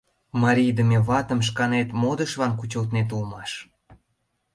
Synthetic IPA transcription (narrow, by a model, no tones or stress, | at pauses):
mɑɾʲijd̪əmeβɑt̪ə̆mʃ̬kɑnet̪mod̪əʃlɑnkut͡ɕəlt̪net̪̬ulmɑʃ